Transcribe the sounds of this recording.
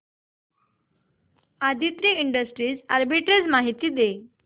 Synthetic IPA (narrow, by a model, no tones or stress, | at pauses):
ad̪ʱit̪ɾiːiɳɖəsʈɾiːd͡zaɾbiʈɾed͡zmaɦit̪iːd̪e